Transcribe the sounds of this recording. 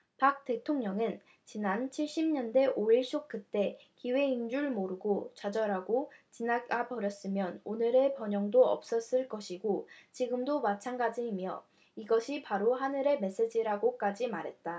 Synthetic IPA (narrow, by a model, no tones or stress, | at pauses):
pak̚t͈e̞tʰoŋɲʌŋɯn | t͡ɕinant͡ɕʰiɭɕ͈imɲʌnde̞ʔoiɭɕ͈ok̚k͈ɯt͈e̞kiwe̞ind͡ʑuɭmoɾɯɡot͡ɕad͡ʑʌɾaɡot͡ɕinaɡɡapʌɾjʌs͈ɯmjʌnonɯɾe̞pʌɲʌŋdoʌ̰p̚s͈ʌs͈ɯɭk͈ʌɕʰiɡot͡ɕiɡɯmdomat͡ɕʰanɡad͡ʑimjʌ | iɡʌɕʰipaɾoɦanɯɾe̞me̞s͈e̞d͡ʑiɾaɡok͈ad͡ʑimaɾɦe̞t̚t͈a